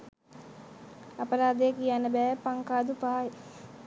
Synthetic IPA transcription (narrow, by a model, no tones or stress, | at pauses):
ɐpɐɾaːd̪eːkijaːnɐbɛːpɐŋkaːd̪upaːj